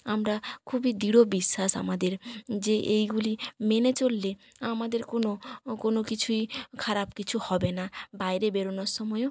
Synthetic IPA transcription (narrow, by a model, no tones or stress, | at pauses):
amɾakʰubid̪iɽobisːasa̰mad̪eɾd͡ʒeʔejɡulimenet͡ʃolːe | amad̪eɾkonokonokit͡ʃʰuikʰaɾabkit͡ʃʰuhɔbenabajɾebeɾonɔɾsɔmɔjo